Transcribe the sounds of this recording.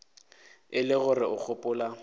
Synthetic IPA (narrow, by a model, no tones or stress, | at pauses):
ɪlɪɣʊrɪʔʊk͡xʰʊpʼʊːla